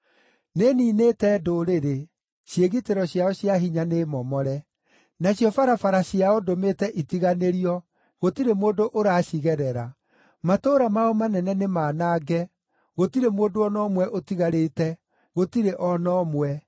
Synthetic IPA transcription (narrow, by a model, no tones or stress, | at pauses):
neniːneːtɛdoɾeɾe | ɕjeɣiteɾɔɕiaɔɕjaɦiɲanemɔmɔɾɛ | naɕjɔfaɾafaɾaɕiaɔdometɛʔitiɣaneɾiɔ | ɣotiɾemoːdoʔoɾaːɕiɣɛɾɛɾa | matoːɾamaɔmanɛnɛnemaːnaːɡɛ | ɣotiɾemoːdoɔnɔmwɛʔotiɣaɾetɛ | ɣotiɾeʔɔnɔmwɛ